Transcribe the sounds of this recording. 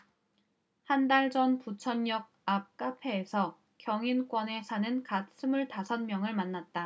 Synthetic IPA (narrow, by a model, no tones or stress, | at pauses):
handaɭd͡ʑʌnput͡ɕʰʌnjʌɡ̚ap̚k͈apʰe̞ːsʰʌ | kjʌŋink͈wʌne̞sʰanɯnkats͈ʰɯmuɭtasʰʌnmjʌŋɯɭmanːat̚t͈a